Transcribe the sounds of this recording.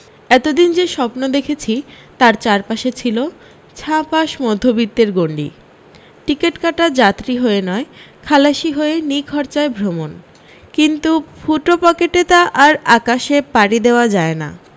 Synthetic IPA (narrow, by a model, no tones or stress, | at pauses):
ɛt̪od̪ind͡ʑeʃɔpnod̪ekʰet͡ɕʰi | t̪aɾt͡ɕaɾpaʃet͡ɕʰilo | t͡ɕʰãpaʃmɔd̪ʱːobit̪ːeɾɡoɳɖḭ | ʈikeʈkaʈad͡ʑat̪ːɾiɦoenɔekʰalaʃiɦoenikʰɔɾt͡ɕaebʱɾomon | kint̪ufʰuʈopɔkeʈet̪aʔaɾakaʃepaɽid̪eoad͡ʑaena̰